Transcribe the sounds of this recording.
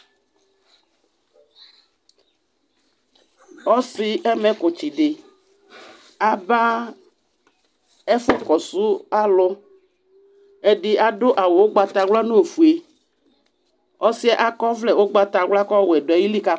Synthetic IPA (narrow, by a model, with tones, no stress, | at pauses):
ɔ˦si˨ɛ˦mẽ˨ko˨t͡ɕi˨ɖe˨ | a˨ba˦ | ɛ˦fo˦kɔ˨su˦a˦lɔ˦ | e˦ɖi˨ʔa˨ɖo˦ʔa˨wo˨wo˦ɡ͡ba˨t̪a˨ɡla˦nũ˦˨fu˨e˨ | ɔ˦si˦a˦ʔa˦kɔ˦vlɛ˦˨wo˦ɡ͡ba˦t̪a˨ɡla˦kɔ˦wɛ˨ɖo˨a˨ji˦li˦ka˦